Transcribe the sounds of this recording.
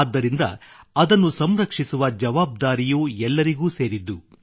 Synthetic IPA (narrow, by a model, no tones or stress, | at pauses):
d̪ːɐɾind̪ɐ̰ɐd̪ɐnːusɐmɾɐkʂisuʋɐd͡ʒɐʋaːb̚d̪aːɾijuːɛlːɐɾiɡuːseːɾid̪ːu